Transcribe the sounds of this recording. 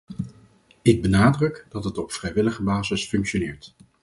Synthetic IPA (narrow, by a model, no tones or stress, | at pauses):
ɪɡ̚bənaːdrɵkdɑtɦətɔpfrɛjʋɪləχəbaːzəsfɵŋkʃonɪːɹt